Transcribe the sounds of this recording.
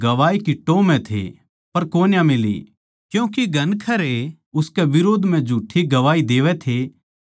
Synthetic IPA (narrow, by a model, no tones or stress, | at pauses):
ɡɐʋaːikiʈːoːmɛ̃t̪ʰḛ | pɐɾkoːnjãmɪlḭ | kjũːkiɡʱɐnkʰɐɾe | ʊskɛʋɪɾoːd̪ʱm̤ɛ̃d͡ʒʱuːʈʰːiɡɐʋaːid̪eːʋɛt̪ʰe